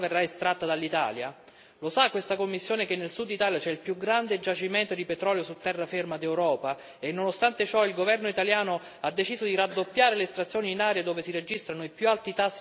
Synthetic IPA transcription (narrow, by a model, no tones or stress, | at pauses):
verːaest̪ɾat̪ːad̪alːit̪a̰ːlja̰ | losakːwest̪akomːisːjoːnek̟enːelsud̪ːit̪aːljat͡ʃɛilpjuɡɾand̪ed͡ʒat͡ʃimɛnt̪od̪ipet̪ɾɔːljosut̪ːɛrːafermad̪ewɾɔːpa | enːonost̪ant̪et͡ʃɔilɡovɛrnoit̪aljaːno | ad̪ːet͡ʃiːzod̪iɾad̪ːopːjaːɾeleːst̪ɾat̪sːjoːniːnaːɾjad̪oːvesiɾed͡ʒist̪ɾanoipjualt̪it̪asː